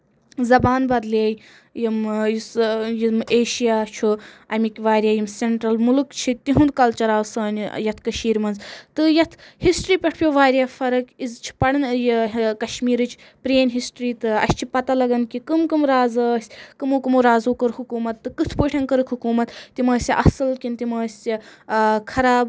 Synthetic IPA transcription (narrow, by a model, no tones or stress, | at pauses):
zɐbaːnbɐd̪leːj | jimjisjimeːʃijaːt͡ʃʰuɐmʲikʲʋaːɾʲjaːjimseɳʈɾɐlmulɨkt͡ʃʰit̪iɦund̪̚kɐlt͡ʃɐɾaːwsɐːn̰ʲjɐt̪ʰkɐʃiːɾmɐnzt̪ɨjɐt̪ʰhisʈɾiːpʲɐʈʰpʲjoːʋaːɾʲjaːfɐɾɐkʲizt͡ʃʰi̥pɐɽɨnjkɐʃmiːɾɨt͡ʃʰ | pɾeːnʲɦisʈɾiːt̪ɨɐ̰sʲt͡ʃʰipɐt̪alɐɡɐnkʲikɨmkɨmɾaːzɐːsʲkɨmoːkɨmuɾaːzoːkɨɾhukuːmɐt̪ːɨkɨt̪ʰpɨʈʰɐnkɐɾɨkʰhukuːmɐt̪t̪imɐːsʲiʔɐsɨlkʲinʲt̪imɐːsʲikʰɐɾaːb